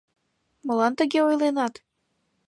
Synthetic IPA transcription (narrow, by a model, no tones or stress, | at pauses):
məlɑnt̪əɣeojlenɑt̪